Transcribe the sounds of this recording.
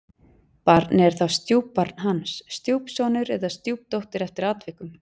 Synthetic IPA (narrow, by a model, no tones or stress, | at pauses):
paɾt̪nɪɛɾ̥θawst̪juːpːaɾt̪nɦansːt̪juwpsɔːnʏɾɛðast̪juːp̚t̪owht̪ɪɾɛft̪ɪɾaːt̪vɪhkʏm